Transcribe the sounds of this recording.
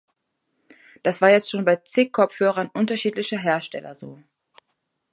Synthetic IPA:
d̥asv̥aːɐjɛt͡stʃoːnbaɪt͡seːkʰɔp͡fhøːʁ̞ɐnʔʊntɐʃiːtlɪçəɦeːɐʃtɛ̰lɐ̰zo̰ː

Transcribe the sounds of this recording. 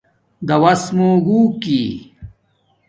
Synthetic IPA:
d̪ɐwɐsmũɡuːki

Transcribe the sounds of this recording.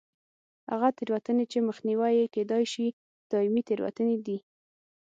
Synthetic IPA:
ha̰ɣat̪eɾwat̪ənet͡ʃeməxniwajeked̪ɑjʃi | d̪̥ɑɪmit̪eɾwa̰t̪əned̪i

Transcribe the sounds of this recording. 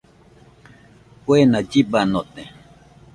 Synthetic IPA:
pwenad͡ʒibanot̪e

